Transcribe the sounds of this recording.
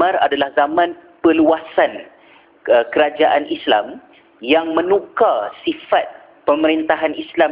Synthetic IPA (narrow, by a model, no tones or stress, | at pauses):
ãɾa̰dalahzamãnpəluasan | əkəɾad͡ʒaʔanisla̰m | jaŋmə̃nũkasifat̪̚ | pəməɾint̪aɦanislam